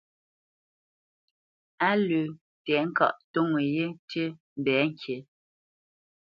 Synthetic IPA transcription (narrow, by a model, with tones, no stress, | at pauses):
a˦lʉ˨ | tɛ˨˦ŋ̩˦ka̰˦˨ʔto˦ŋe˨je˦te˦m̩˨bɛː˨˦ŋ˦˨kʰje˨˦